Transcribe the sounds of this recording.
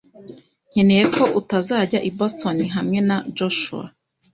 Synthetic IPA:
ɲ̥e̞ne̞je̞ko̞ʔutazaːɟaʔibostoniɦamŋe̞nad͡ʒoʃṵa̰

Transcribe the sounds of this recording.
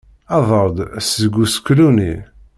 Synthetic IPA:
ɑðˤəɾˤd̪szəɡuskːlunḭ

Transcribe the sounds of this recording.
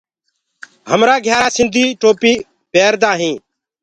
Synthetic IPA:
ɦəmɾaːɡʱjaːsɪ̃nd̪ʱiːʈoːpiː | peːɾd̪ãːɦĩː

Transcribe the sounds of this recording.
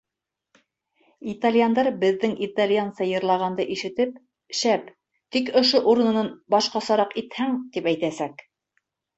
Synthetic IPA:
it̪alʲjand̪ɑɾbɘ̆ðːɘŋʔit̪alʲjansɑjɤ̆ɾlˠɑʁɑnd̪ɤʔiʃɘ̆t̪ɘp̚ | ʃæp | t̪ikŏʃoʔuɾɤ̆nɤ̆nɑnbɑʃqɑsɑɾɑqit̪hæŋt̪ipæjt̪æsæk

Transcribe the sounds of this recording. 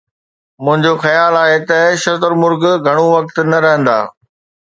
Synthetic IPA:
mʊ̃ɦɪ̃ɲd͡ʑoxɐjaːlaːɦet̪ɐʃɐt̪əɾmʊɾɡɡʱɐɽ̃ũʋɐk̚t̪nɐɾɐɦə̃nd̪a̰ː

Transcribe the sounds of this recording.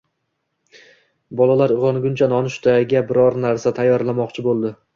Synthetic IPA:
bɒlˠalaɾɨʁɒnɡʲʊnt͡ʃʰanɒnɪʃʊ̥t̪ʰaɡʲabɪɾɒɾnaɾsat̪ʰajːɒɾlˠamɒqt͡ʃʰɪbolˠd̪ɪ

